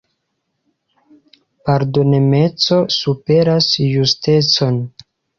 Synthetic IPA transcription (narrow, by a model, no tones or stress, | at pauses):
paɾdo̞neme̞t͡so̞supe̞ɾasjuste̞t͡so̞n